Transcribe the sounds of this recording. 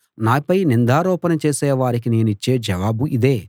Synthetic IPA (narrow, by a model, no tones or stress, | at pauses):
naːpɐjnind̪aːɾɔːpɐnɐt͡ʃeːsɛːʋaːɾik̬ineːnuit͡ʃːe̞ːd͡ʒɐʋaːbuʔid̪eː